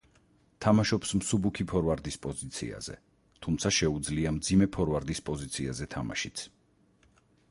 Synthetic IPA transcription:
t̪ʰamaʃɔpsmsubukʰipʰɔɾvaɾd̪ispʼɔzit̪sʰḭa̰z̥ɛ̰ | t̪ʰumt̪sʰaʃɛud̪zliamd̪zimɛpʰɔɾvaɾd̪ispʼɔzit̪sʰiazɛt̪ʰama̰ʃit̪sʰ

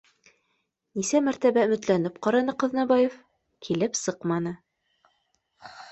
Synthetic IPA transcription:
nisæmæɾt̪æβæɵ̆mɘ̆t̪lænɘp̚qɑɾɑnɤqɤ̆ðnɑbɑjef | kʰilɘpsɤqmɑnɤ

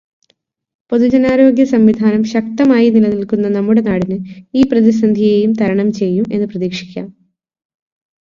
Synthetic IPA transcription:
po̞ðud͡ʑɐnaːɾo̞ːɡjɐsɐmʋid̪ʱaːnɐmɕɐk̚t̪ɐmaːjinilɐnilkunːɐnɐmːuɽe̞naːɽinɨiːprɐðisɐnd̪ʱijeːjumt̪ʰɐɾɐɳɐmt͡ɕe̞jːumʔe̞̰nːɨprɐðiːkʂi̥kʲːa̰ːm

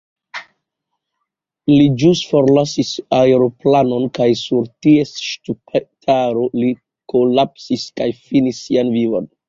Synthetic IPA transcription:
lid͡ʒustfo̞ɾlasisaeɾo̞plano̞nkajsuɾtiesʃtupetʰaɾo̞li | kolapsiskajfinisːianvivo̞̰n

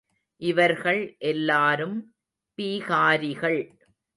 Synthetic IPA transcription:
ʔɪʋɐɾɣɐɭʔɛlːaːɾɯm | piːɣaːɾɪɣɐɭ

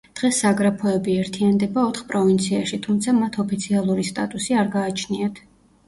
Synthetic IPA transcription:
d̪̥ʁɛsːaɡɾapʰɔɛbiɛɾt̪ʰiand̪ɛbaɔt̪χpʼɾɔvint̪sʰiaʃit̪ʰumt̪sʰamat̪ʰɔpʰit̪sʰialˠuɾist̪ʼa̰t̪ʼusiaɾɡaːt͡ʃʰniat̪ʰ

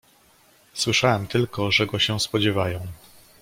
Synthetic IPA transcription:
swɘʂawɛmt̪ɘlkɔʐɛɡɔɕɛ̃spɔd͡ʑɛvajɔ̃w̃

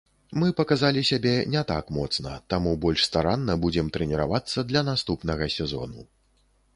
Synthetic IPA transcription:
mɨpɐkazalʲisʲabʲɛnʲɛt̪a̰kmɔt̪snɐ̰t̪amubɔlʲʂst̪aɾanːɐbud͡zʲɛmt̪ɾɛnʲɛɾa̰vat̪sːɐd̪lʲɐnast̪upnɐɣɐsʲɛzɔ̰nṵ

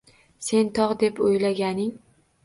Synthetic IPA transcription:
se̞nt̪ʰɒʁd̪e̞pojlaɡʲanɪŋ

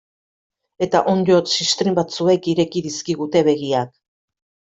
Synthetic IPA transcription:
e̞t̪aʔond̪o̞t̪sist̪ɾimbat͡sue̞kiɾe̞kiðiskiɣ̞ut̪e̞βe̞ɣiak

